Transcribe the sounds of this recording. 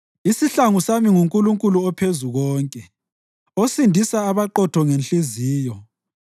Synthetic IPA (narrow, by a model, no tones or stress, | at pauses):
isiɬaŋusamiŋuŋkʼuluŋkʼuluɔpʰezuɣɔːŋkʼɛ | osindʱisaːβaǃɔtʰɔŋenɬiziːjɔ